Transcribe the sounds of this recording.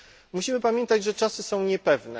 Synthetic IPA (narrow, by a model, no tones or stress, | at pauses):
muɕimɘpamʲjɛ̃nt̪ad͡ʑʐɛt͡ʂasɘsɔ̃w̃ɲɛpɛvnɛ̰